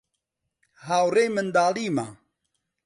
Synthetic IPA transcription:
haːwɾemənd̪aːliːma

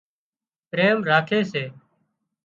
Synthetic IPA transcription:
pɾeːmɾaːkʰeːseː

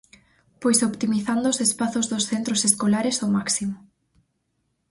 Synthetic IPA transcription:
pojsopt̪imiθand̪oːsespaθozðosθent̪ɾoseskolaɾesomaksimo

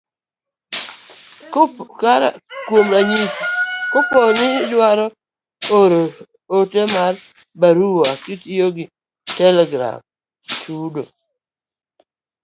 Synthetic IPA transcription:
kkaɾa̰kwomlaɲiskʊpɔnɪdwaɾɔ | oɾo | otemar | baɾuwoakitioɡɪ | tɛlɛɡɾa̰m | tʰudo

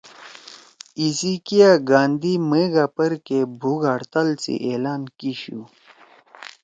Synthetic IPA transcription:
isikijaɡaːnd̪imeːɡapɐɾkebʱuɡaɽt̪alsḭʔeːlaːnkiɕṵ

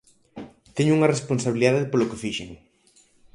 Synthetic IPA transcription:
t̪eɲʊuŋaresponsaβiliðaðepolokefiʃḛŋ

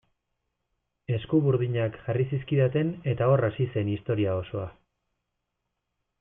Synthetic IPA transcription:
e̞skuβuɾð̞iɲakʝarisiskiðat̪e̞ne̞t̪ao̞rasise̞nist̪o̞ɾiao̞so̞a

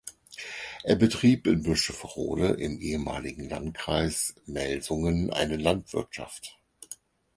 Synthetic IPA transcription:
ʔeːɐbətʁ̥iːpɪnbʏʃəfəʁo̰ːləʔɪmʔeːəma̰ːlɪɡŋ̩lantkʁ̥aɪsmɛlzʊŋənʔa̰ɪnəlantv̥ɪɐtʃa̰ft

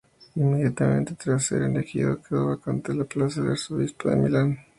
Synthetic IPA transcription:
imːeðjat̪amḛ̃nt̪et̪ɾasḛɾend̪akiokʰeoβakont̪elaplasaðalsoβispoðḛmḭlan

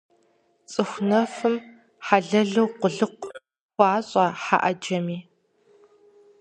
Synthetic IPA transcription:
t͡sʼɨxʷnɐfɨm | ħaɮɐɮɐwqʷʊɮɨq̚ʷ | xʷɑːɕʼaːħa̰ʔɐd͡ʒɐmiː

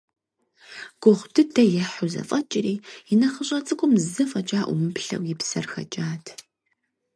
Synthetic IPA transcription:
ɡ̥ʷʊʁʷdɨdɐjɛħʊzɐ̰fʼɐt͡ʃʼɪriːɪnɐχəɕʼɐt͡sʼɨkʷʼʊmzɨfʼɐt͡ʃʼaːʔʷʊmɨpɬɐ̰wjɪpsɐrxɐ̰t͡ʃʼaːtʰ

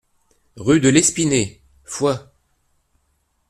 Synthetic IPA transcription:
ʁyd̪əlɛspine | fwa

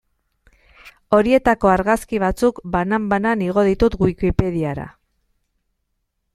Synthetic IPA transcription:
o̞ɾie̞t̪ako̞aɾɣaskiβ̞at͡sukbanambananiɣ̞o̞ð̞it̪ut̪ɡuikipe̞ðiaɾa̰

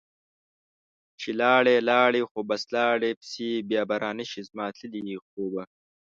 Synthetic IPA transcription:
t͡ʃʰilɑːɽeːlɑːɽixobɐslɑːɽepsibjɑːbɐɾʔaːniʃizmɑːt̪ʰilixoːbɐ

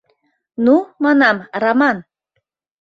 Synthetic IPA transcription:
numɑnɑmrɑmɑn

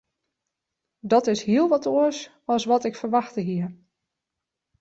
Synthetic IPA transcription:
dɔtɪshiəlˠʋɔtoəs | ɔsʋɔtɪkfərʋaxtəɦiəɹ

